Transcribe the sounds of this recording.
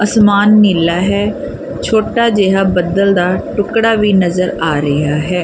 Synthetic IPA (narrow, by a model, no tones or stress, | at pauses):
əsmaːnːiːlaːɦɛː | t͡ʃʰoːʈaːd͡ʒeːɦaːbəd̪əld̪aːʈʊkɽaːʋiːnəzəɾaːɾɪɦaːɦɛː